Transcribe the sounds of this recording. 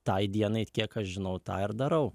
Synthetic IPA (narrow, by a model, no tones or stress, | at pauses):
t̪ɐɪd̪ʲiɛnɐɪkʲiɛkɐʃʒʲɪnɐʊt̪ɑːɪɾd̪ɐɾɐʊ